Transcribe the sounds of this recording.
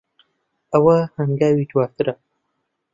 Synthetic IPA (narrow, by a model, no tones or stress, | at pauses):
ɐwɐhɐŋɡaːwiːt̪ʰwaːst̪ɨɾɐ